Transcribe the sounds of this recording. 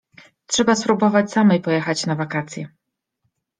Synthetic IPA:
tʂɛbaspɾubɔvat͡ɕsamɛjpɔjɛxat͡ɕnavakat̪sʲjɛ

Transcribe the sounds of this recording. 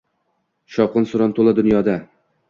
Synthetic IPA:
ʃɒqɨnsʊɾɒnt̪ʰolˠad̪ʊnjɒd̪a

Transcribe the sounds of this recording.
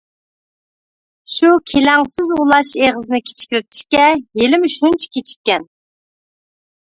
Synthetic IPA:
ʃukʲʰelɛŋsɪzulˠɑʃeʁəzɨnɨkʲʰe̥t͡ʃʰi̥kʲɾɪt̪ʰɪ̥ʃkʲɛjelɪmʃunt͡ʃʰi̥kʲʰet͡ʃʰi̥kʲːɛn

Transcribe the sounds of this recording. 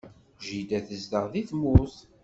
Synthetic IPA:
ʒid̪æθəzd̪əʁðiθmʊθ

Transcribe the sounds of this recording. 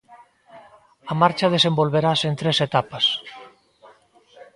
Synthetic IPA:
ɐmaɾt͡ʃɐðesembolβeɾasent̪ɾeset̪apɐs

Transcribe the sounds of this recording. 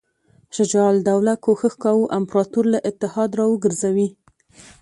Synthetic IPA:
ʃɪd͡ʒɑld̪awlakoxəxkɑwuʔampɾɑt̪uɾlaʔɪt̪ːɪhɑd̪ɾɑwəɡəɾzawi

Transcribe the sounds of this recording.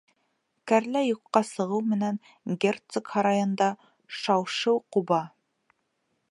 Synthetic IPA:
kæɾlæjuqːɑsɤ̆ʁɤwmɘ̆næŋ | ɡʲert̪sokhɑɾɑjɤ̆nd̪ɑ | ʃɑwʃɤwqubɑ

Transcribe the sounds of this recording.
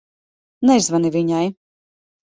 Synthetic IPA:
nɛzvanivʲiɲaj

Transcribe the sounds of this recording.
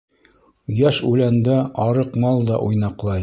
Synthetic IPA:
jæʃʉlænd̪æɑɾɤqmɑlˠd̪ɑ̰ʔujnɑqlˠɑj

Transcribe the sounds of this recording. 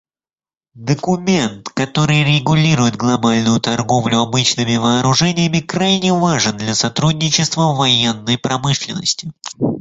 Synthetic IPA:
d̪əkʊmʲe̞nt̪kɐt̪o̞ɾɨjɾʲɪɡʊlʲiɾʊjɪt̪̚ɡlˠɐbalʲnʊjʊt̪ɐrɡo̞vlʲʊɐbɨt͡ɕnɨmʲɪvɐːɾʊʐɛnʲɪjəmʲɪkɾajnʲɪvaʐɨnd̪lʲɐsɐt̪ɾudʲnʲɪt͡ɕɪst̪vəvɐjenːəjpɾɐmɨʂlʲɪnːə̰sʲtʲɪ

